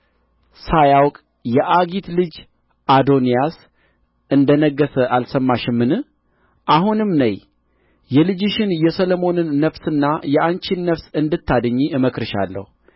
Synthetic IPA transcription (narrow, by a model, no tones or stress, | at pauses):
sajawkʼ | jɛʔaɡit̪lɨd͡ʒ | ʔad̪o̞nijas | ʔɨnd̪ənəɡːəsəʔalsəmːaʃɪmːɨnɨ | ʔahunɨmnəj | jɛlɨd͡ʒɪʃɪnjɛsəlomo̞nɨnːəfsɨnːajɛʔant͡ʃinːəfsɨnd̪ɨt̪ʰːad̪əɲːiɨməkɾɨʃa̰lːə̰hu